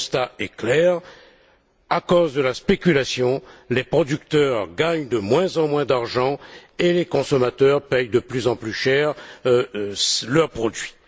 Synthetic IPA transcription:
st̪aɛklɛʁ | akozd̪əlaspekʲylasjɔ̃lepχɔd̪yk̚t̪œʁɡaɲd̪əmwɛ̃zɑ̃mwɛ̃d̪aʁʒɑ̃elekɔ̃sɔmat̪œʁpɛjd̪əplyzɑ̃plyʃɛʁ | slœʁpχɔd̪ɥi

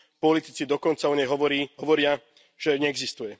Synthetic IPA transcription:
pɔlit̪it͡sid̪ɔkɔnt͡saɔɲɛjɦɔʋɔɾiːɦɔʋɔɾɪa | ʒ̥ɛɲɛːɡzist̪ujɛ

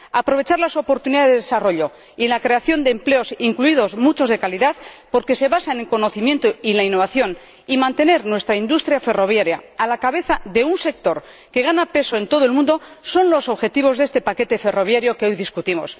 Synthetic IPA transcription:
apɾo̞β̞e̞t͡ʃaɾlaso̞po̞ɾt̪uniðaeðeesaro̞ʎo̞ | ilakɾe̞aθjo̞nd̪e̞ːmpleo̞siŋkluiðo̞zmut͡ʃo̞zðe̞kaliðaðpo̞ɾke̞se̞βasaenelko̞no̞θimje̞nt̪oilainːo̞β̞aθjo̞n | imãnt̪e̞ne̞ɾnwe̞st̪ɾaind̪ust̪ɾjafe̞ro̞βjaɾja̰ːlakaβe̞θaðe̞unse̞k̚t̪o̞ɾ | ke̞ɣ̞anape̞soent̪o̞ð̞oe̞lmũnd̪o̞so̞nlo̞so̞βxe̞t̪iβo̞zðe̞st̪e̞pake̞t̪e̞fe̞ro̞β̞jaɾjo̞keo̞jðiskut̪imo̞̰s

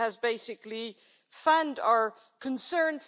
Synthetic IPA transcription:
ɨzbeɪsɨkli | fãndaə˞ | kʰɨ̃nsɜ̃˞nz

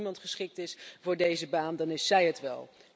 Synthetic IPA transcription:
mɑntχəsχɪk̚tɪsvʊːɹdejzəbaːndɑnɪsɛjətʋɛ̰lˠ

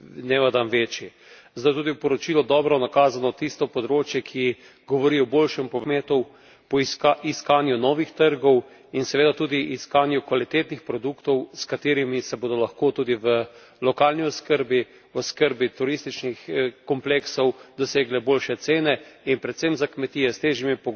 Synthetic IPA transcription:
nɛʋad̪anʋeːt͡ʃji | zd̪ajt̪uːd̪iwpɔɾɔt͡ʃiːlɔd̪ɔːbɾɔnakaːzanɔt̪ist̪ɔpɔd̪ɾoːt͡ʃjɛkʰi | ɡɔʋɔɾiɔboːlʃɛmpɔmeːt̪u | pɔiskaːnjunɔʋixt̪əɾɡɔw | insɛʋeːd̪at̪uːd̪iʔːskaːnjukʋalit̪eːt̪nixpɾɔd̪ukt̪ɔwskat̪eːɾimisɛboːd̪ɔlɐxkoːt̪uːd̪iʋə | lɔkaːlniɔskəɾbi | ɔskəɾbit̪uɾist̪it͡ʃnixkɔmpleksɔwd̪ɔseːɡlɛboːlʃɛt̪seːnɛinpɾɛt̪semzakmɛt̪iːɛst̪eːʒimipɔ

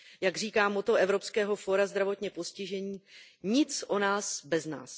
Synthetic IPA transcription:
jaɡr̝iːkaːmot̪o̞ʔɛvɾo̞pskɛːɦo̞fo̞ɾazd̪ɾavo̞t̪ɲɛposcɪʒɛɲiː | ɲɪt͡sʔo̞naːsbɛzna̰ːs

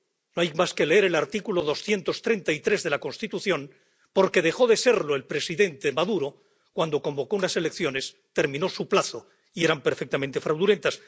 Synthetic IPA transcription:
no̞ajmaske̞le̞eɾe̞laɾt̪ikulo̞ðo̞sθje̞nt̪o̞st̪ɾe̞nt̪ait̪ɾe̞zðe̞lako̞nst̪it̪uθjo̞n | po̞ɾke̞ðe̞xo̞ðe̞se̞ɾlo̞e̞lpɾe̞siðe̞nt̪emaðuɾo̞ | kwand̪o̞ko̞mbo̞ko̞unase̞le̞kθjo̞ne̞s | t̪e̞ɾmĩno̞suplaθo | ie̞ɾampe̞ɾfe̞k̚t̪amẽnt̪e̞fɾawðule̞nt̪as

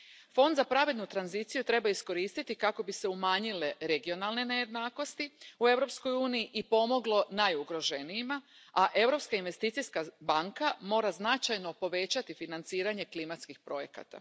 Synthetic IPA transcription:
fo̞nd̪zapɾaʋid̪nut̪ɾanzit̪sijut̪ɾe̞baisko̞ɾiːst̪it̪ikako̞bise̞umaːɲile̞ɾe̞ɡio̞nalˠne̞ne̞je̞d̪naːko̞st̪iue̞ʋɾo̞psko̞juːnijiʔipo̞mo̞ɡlo̞najuɡɾo̞ʒe̞nijima | aʔe̞wɾo̞pskainʋe̞st̪iːt̪sijskabaŋkamo̞ːɾaznat͡ʃajno̞po̞ʋe̞t͡ɕat̪ifinant̪siːɾaɲe̞klimat̪skixpɾo̞je̞ka̰t̪a̰

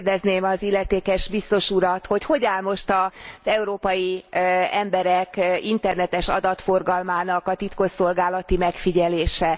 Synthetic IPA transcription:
rd̪ɛzneːmɒzilːɛt̪eːkɛʒbist̪o̞ʃuɾɒt̪ho̞cho̞ɟaːlmo̞ʃt̪ɒz̥ɛuɾoːpɒjiɛmbɛɾɛkint̪ɛrnɛt̪ɛʃɒ̰d̪ɒt̪fo̞rɡɒlmaːnɒkɒt̪it̪ko̞so̞lɡaːlɒt̪imɛkfiɟɛleːʃɛ

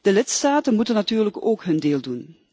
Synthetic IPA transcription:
d̥əlɪtstaːtənmutənːatyːrləkoːkɦɵndeːlˠdun

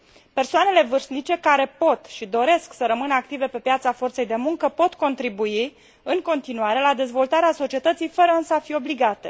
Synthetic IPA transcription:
pe̞rsoane̞le̞vɨrsnit͡ʃe̞kaɾe̞po̞t̪ʃid̪o̞ɾe̞sksəɾəmɨnəak̚t̪ive̞pe̞pjat̪safo̞rt̪se̞jd̪e̞muŋkəpo̞t̪ko̞nt̪ɾibui | ɨŋko̞nt̪inuaɾe̞lad̪e̞zvo̞lt̪aɾeaso̞t͡ʃie̞t̪ət̪sijfəɾəɨnsəafio̞bliɡat̪e̞

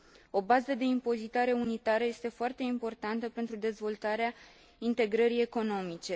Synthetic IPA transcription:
o̞bazəd̪e̞impo̞zit̪aɾe̞unit̪aɾəjest̪e̞foart̪e̞impo̞rt̪ant̪əpent̪ɾud̪e̞zvo̞lt̪aɾea | int̪e̞ɡɾəɾie̞ko̞no̞mit͡ʃe̞

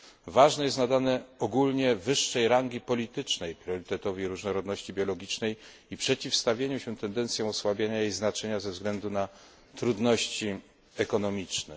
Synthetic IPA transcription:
vaʐnɛjɛst̪nad̪anɛɔɡulɲɛvɘʂːɛjɾaŋɡʲipɔlʲit̪ɘt͡ʂnɛjpɾʲjɔɾɘt̪ɛt̪ɔvʲiɾuʐnɔɾɔd̪nɔɕt͡ɕibʲjɔlɔɡʲit͡ʂnɛj | ipʂɛt͡ɕifst̪avʲjeɲuɕɛt̪ɛnd̪ɛnt̪sʲjɔ̃w̃ɔswabʲjaɲajejznat͡ʂɛɲazɛvzɡlɛnd̪una | t̪ɾud̪nɔɕt͡ɕi | ɛkɔnɔmʲit͡ʂnɛ

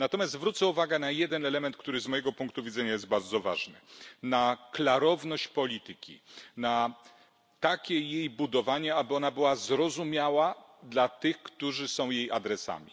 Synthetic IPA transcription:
nat̪ɔmʲjast̪vɾut̪sɛuvaɡɛnajɛd̪ɛnɛlɛmɛnt̪̚k̚t̪uɾɘzmɔjɛɡɔpuŋk̚t̪uvʲid̪zɛɲajɛszt̪̚baɾd̪zɔva̰ʐnɘ̰naklaɾɔvnɔɕt͡ɕpɔlʲit̪ɘkʲḭna | t̪akʲɛjejbud̪ɔvaɲɛabɘɔnabɘwazɾɔzumʲjawad̪lat̪ɘxkt̪uʐɘsɔ̃w̃jejad̪ɾɛsa̰mʲḭ

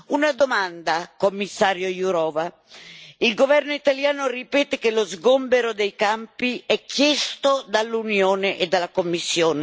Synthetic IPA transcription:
unad̪omand̪akomːisːaːɾjojuɾɔːva | ilɡovɛrnoit̪aljaːnoripɛːt̪ekelozɡombeɾod̪ejkampiɛkːjɛst̪od̪alːunjoːneʔed̪ːalːakomːisːjoːne

